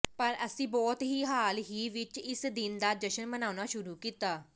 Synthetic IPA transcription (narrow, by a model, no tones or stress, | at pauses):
pəɾəsĩːbɔːt̪ɦiːɦaːlɦiːʋɪt͡ʃɪsd̪ɪnd̪aːd̪əʃənbənaːʊnaːʃʊɾuːkiːt̪aː